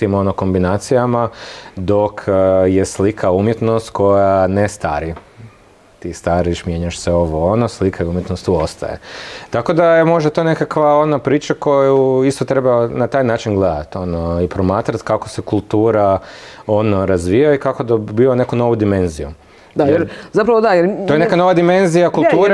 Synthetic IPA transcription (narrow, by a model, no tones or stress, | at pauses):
imo̞noko̞mbinaːt̪sijamad̪o̞kʰjeslikʰaumjet̪nost̪ko̞janest̪a̰ɾi | t̪ist̪aɾiʃmjeɲaʃseo̞ʋo̞onoslikʰaeumjet̪nost̪uo̞st̪a̰jḛt̪ako̞d̪ajemo̞ʒd̪at̪o̞ne̞kakʋao̞nopɾiːt͡ʃako̞jjeuist̪ot̪ɾe̞baonat̪aːjnaːt͡ʃinɡled̪a̰t̪o̞noipɾo̞maːt̪ɾat̪kakose̞kulˠt̪uːɾao̞noɾazʋijaikako̞d̪abione̞kuno̞ʋud̪ime̞nziju | d̪ajeɾzapɾaʋod̪ajeɾtojenekano̞ʋad̪ime̞nzijakulˠt̪uːɾ